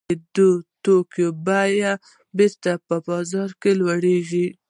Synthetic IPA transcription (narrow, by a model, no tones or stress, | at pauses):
d̪ot̪okjobaja | beɾt̪apəbɑzɑɾkelwaɽeʒi